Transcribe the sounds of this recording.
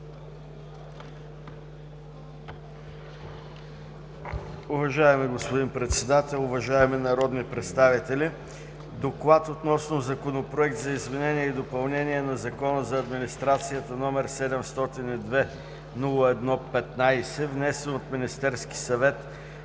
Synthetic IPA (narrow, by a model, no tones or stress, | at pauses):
ʊvɐʒaɛmiɡospod̪inpɾɛt̪sɛd̪at̪ɛlˠʊvɐʒaɛminɐɾɔd̪nipɾɛt̪st̪avit̪ɛli | d̪oklˠat̪ot̪nɔsnozɐkonopɾoɛk̚t̪zɐizmɛnɛniɛid̪opɐlˠnɛniɛnɐzɐkɔnəzɐːd̪minist̪ɾat̪sijət̪ənɔmɛɾsɛd̪ɛmst̪ɔt̪inid̪vɛ | nulˠəɛd̪nɔpɛt̪najsɛvnɛsɛnot̪minist̪ɛɾski̥sɐvɛt̪